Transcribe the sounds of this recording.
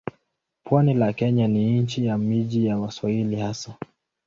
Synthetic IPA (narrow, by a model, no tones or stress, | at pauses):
pwanilakɛɲaniɲnt͡ʃijamiʄijawaswahilihasa